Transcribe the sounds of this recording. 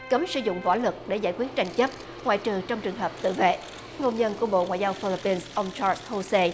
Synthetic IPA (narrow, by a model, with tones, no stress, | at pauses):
kə˨˦msɨ˧˦zʊ̰˧˨ŋ͡mvɔ̰˧˩˦lɨ˨˩k̚ɗe˧˩zaː˧˩jkwi˦˥ət̚t͡ɕa˧jŋ̟t͡ɕə˦˥p̚ | ŋwa̰ː˧˨jt͡ɕɨ˨˩t͡ɕɔ˧wŋ͡mt͡ɕɨ˨˩əŋɦəː˨˩p̚t̪ɨ̰˧˨vḛ˧˨ | ŋo˧nɲə˧nku˧˩əɓo̰˧˨ŋwa̰˧˨jzaː˧wfi˧li˧˥pːi˧nsʔə˧wŋ͡mt͡ɕaː˧sho˧se˧